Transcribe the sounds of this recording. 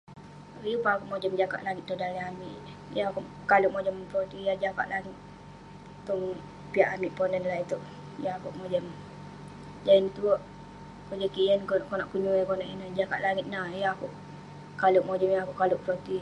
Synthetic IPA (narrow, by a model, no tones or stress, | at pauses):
jupaakuʔmod͡ʒəmd͡ʒaka̰ʔlaŋit̪̚t̪ːudaliamiʔ | jaaku | kaluʔmod͡ʒəmpɾot̪ijad͡ʒaka̰ʔlaŋit̪̚ | t̪ɔŋ | piaʔamiʔpɔnənlait̪uʔ | jaakuʔmod͡ʒəm | d͡ʒaint̪uʔ | kud͡ʒəkijənkokɔnaʔpuɲuikonaʔinad͡ʒaka̰ʔlaŋit̪̚najaakuʔ | kaluʔmod͡ʒəmjaakuʔkaluʔpɾot̪i